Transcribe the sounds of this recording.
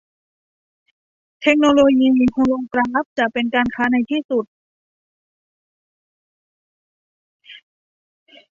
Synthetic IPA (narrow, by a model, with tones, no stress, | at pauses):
t̪ʰe˦˥k̚noː˧loː˧jiː˧mi˧˩ŋkʰo˧ŋlo˧ŋkɾaː˦˥˨p̚t͡ɕa˨˩ʔpe˧nkaː˧nkʰaː˦˥na˧jt̪ʰiː˥˩su˨˩t̪̚